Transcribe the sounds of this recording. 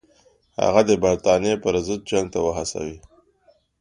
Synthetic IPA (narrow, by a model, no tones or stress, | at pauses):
ha̰ɣad̪əbaɾt̪ɑnjepəɾzət̪̚d͡ʒaŋɡ̚t̪awəɦasa̰wi